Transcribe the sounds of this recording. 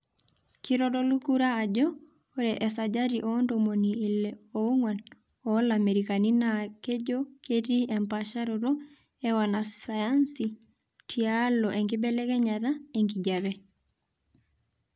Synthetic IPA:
kiɾɔdɔlukuɾaːd͡ʒɔː | ɾɛʔɛsad͡ʒaɾiʔɔndomoniːlɛoŋwan | ɔlameɾikaninaked͡ʒoketiɛmpaʃaɾoɾɔ | ɛwanasajansi | tʰialɔʔɛŋɡibɛlɛkɛɲataeŋɡiɟaβɛ

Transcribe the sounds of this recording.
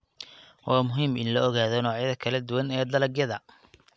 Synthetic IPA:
wɑːmʊɦiːmʔɪ̰nlɔːɣaːðɔnɔːʕjɐðɐkʰɐlɐd̪ʊwɐnɛːd̪ɐlɐɡjɐðɐ

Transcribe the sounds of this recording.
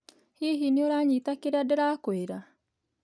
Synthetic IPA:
hiɦinioɾaɲiːtakeɾeadeɾaːkoeɾa

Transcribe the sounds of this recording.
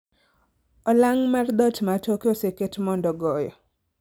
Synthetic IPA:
ɔlaŋmard̪ɔtmatokoseketmɔndɔɡɔjɔ

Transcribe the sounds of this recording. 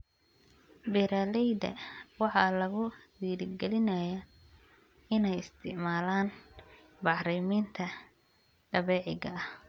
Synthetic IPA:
bɪɾalɛjd̪ɐ̰wɑħɑlɐɣʊwiːɾɪɡɛlɪnɐjaː | ɪnɛjɪst̪ʰɪ̰ʕmaːlaːn | bɑħɾɪmiːnt̪ʰɐ | ɖ̥ɐβɛːʕɪɣɐɐh

